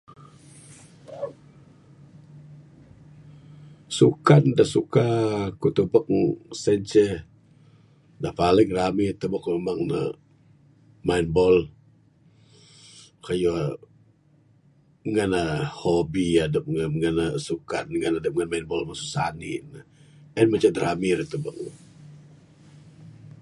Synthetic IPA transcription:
sukandahsukakut̪ubɔk̚sɛnt͡ʃə | dahpaləɡɾamit̪əbɔkemaŋnə̰ | mainbɔl | kaju | ŋanahobiadəp̚ŋaŋanasukanŋanadəp̚ŋanmainbɔlmasu̥sanḭnəɛnmat͡ʃadɾamiɾt̪ubək̚

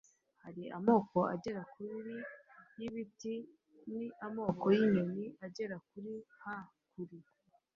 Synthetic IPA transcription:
haɾiʔamo̞ːko̞ʔa̰ɟe̞ɾakuɾɾi | jiβiti | niʔamo̞ːkojiɲoniʔaɟe̞ɾakuɾiha | kuɾi

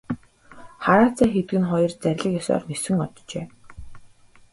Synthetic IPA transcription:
χaɾaːt͡sʰaːxet̪ɘ̆ɡɘ̆nχɔjɞ̆rt͡sæɾʲɮə̆kjɔsɔ̰ːrnɵsɵ̆ŋɔt̪t͡ɕḛː

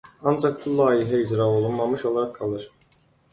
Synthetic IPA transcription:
ɑnd͡ʒɑk̚bulˠɑːjiɦæid͡ʒɾao̞lˠunmɑmɯʃolˠaɾak̚ʰːɑlˠɯɾ̥

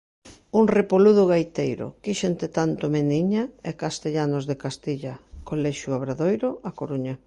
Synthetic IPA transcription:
uŋrepoluðʊɣajt̪ejɾʊ̰kiʃent̪et̪ant̪ʊmeniɲaɛkast̪eʎanozðekast̪iʎɐkolɛʃjʊaβɾaðojɾʊʔakoɾuɲa

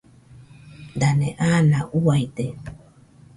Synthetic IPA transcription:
d̪aneʔanaʔuajt̪e

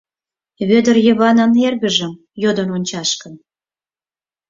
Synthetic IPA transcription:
βød̪ərjəβɑnənerɣəʒə̆m | jod̪ononʲt͡ɕɑʃkən

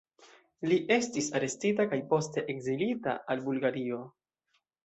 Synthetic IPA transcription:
liʔe̞stisaɾe̞stitakajpo̞ste̞ʔeɡzilita̰albulɡaɾio̞

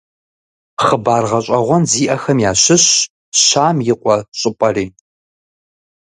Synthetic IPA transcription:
χəbaːrʁɐɕʼɐʁʷɔnziːʔɐxɐmjaːɕɪɕ | ɕaːmjɪqʷʼɔɕʼɪpʼɐriː

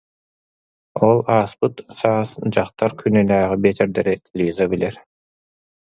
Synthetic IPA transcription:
ɔlˠaːspɯt̪saːsd͡ʑaχt̪aɾkʰynɛnæːʁibeːt̪ɛɾd̪ɛɾilʲiːzabilɛɾ

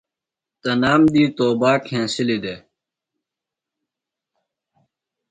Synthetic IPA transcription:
t̪ənaːmd̪iːt̪oːbaːkʰẽːsɪlid̪eː

